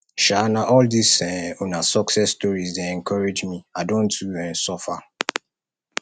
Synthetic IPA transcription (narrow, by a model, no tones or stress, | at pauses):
ʃanaʔɔldisɛonasɔksɛstɔɹizdeɛ̃ŋkɔɾed͡ʒmiadõntuɛ̃nsɔfa